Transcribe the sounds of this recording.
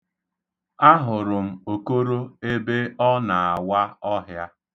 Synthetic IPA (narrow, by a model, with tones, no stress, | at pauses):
a˦ɦʊ˨ɾʊ˨m̩˨o˨ko˦ɾo˦e˦be˦ɔ˦na˨a˨wa˦ɔ˦ɦja˦